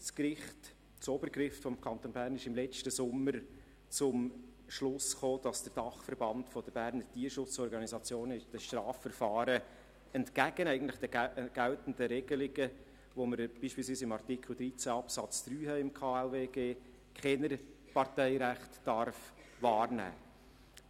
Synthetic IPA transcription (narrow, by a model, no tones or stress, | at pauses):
skɾɪχt | t͡sobəɾkɾɪftfɔmkʰɑnt̪onbæːɾnɪʃɪmlɛt͡ʃtəsʊmːəɾ | t͡sʊmʃlʊsχoːd̥ɑsd̥əɾd̥ɑχfəɾbɑntfɔd̥̪əbæɾnəɾtiːəɾʃʊt͡sɔɾɡɑnizɑt͡sjoːnɪd̥əʃtɾɑːfːəɾfɑːɾə | ɛntkæɡənɛɪɡən̩tlɪ̥χd̥̪ɛɡ̥ælt̪n̩dəɾɛɡəlɪɡə | ʋoməɾb̥iːʃpiːlsviːsɪmɑrtikʰl̩ˠd̪ɾit͡sæɑpsɑt͡sd̥̪ɾyːɦɛɪmkʰɑːɛlveːɡeː | kʰɛnəɾ | pɑɾtɛɪɾæχtːɑɾf | vɑːɾnæ̰ː